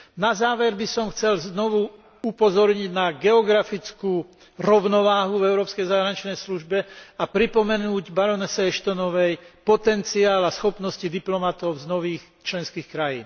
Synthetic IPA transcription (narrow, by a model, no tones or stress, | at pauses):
nazaːʋɛɾbisɔmxt͡sɛlznɔʋu | upɔzɔɾɲiɟnaɡɛɔɡɾafit͡skuː | ɾɔʊnɔʋaːɦuvɛʊɾɔːpskɛjzaːɦɾaɲit͡ʃnɛjsluʒbɛapɾipɔmɛnuːɟbaɾɔnɛsɛɛʃt̪ɔnɔʋɛjpɔt̪ɛnt͡siaːlasxɔpnɔscid̪iplɔmat̪ɔʊznɔʋiːx | t͡ʃlɛnskiːxkɾajḭːn